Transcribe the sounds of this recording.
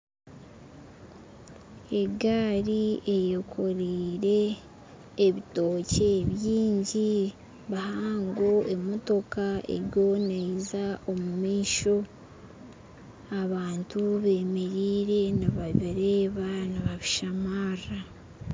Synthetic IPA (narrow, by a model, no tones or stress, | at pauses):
e̞ɡaːɾie̞jokʰo̞ɾiːɾe̞ː | βito̞ːce̞ːβjiːɲɟi | βahaaːŋɡo̞e̞mo̞to̞kaḛɾjo̞nezao̞mumiːʃo̞ | aβaːntuβe̞ːme̞ɾiːɾe̞naβaβiɾeːβanaβaβiʃamaːra